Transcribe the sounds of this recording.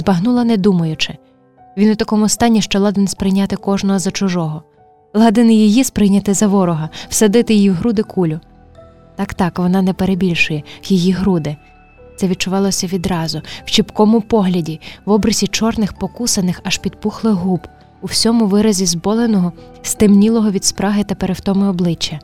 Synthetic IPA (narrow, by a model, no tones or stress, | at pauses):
zbɐɦnulˠɐnɛd̪umɐjʊt͡ʃɪ | ʋʲinʊt̪ɐkɔmʊst̪ɑnʲːiʃt͡ʃɔlˠɑd̪ɪnspɾɪjnʲɑt̪ɪkɔʒnɔɦɔzɐt͡ʃʊʒɔɦɔ | lˠɑd̪ɪnɪjijispɾɪjnʲɐt̪ɪzɐʋɔɾɔɦɐw̥sɐd̪ɪt̪ɪjijiwɦɾud̪ɪkʰulʲʊ | t̪ɑkt̪ɑkʋɔnɑnɛpeɾebʲilʲʃʊjɛkjijiɦɾud̪ɪ | t̪sɛʋʲid̪̚t͡ʃʊʋɑlˠɔsʲɐʋʲid̪ɾɑzʊw̥t͡ʃipkɔmʊpɔɦlʲɐdʲiʋɔbɾɐzʲit͡ʃɔrnɪxpɔkusɐnɪxɐʃpʲid̪̚puxlˠɪɣɦub | uwsʲɔmʊʋɪɾɐzʲizbɔlˠenɔɦɔ | st̪ɪmnʲilˠɔɦɔʋʲid̪spɾɑɦɪt̪ɐpeɾewt̪ɔmɪɔblˠɪt͡ʃːɐ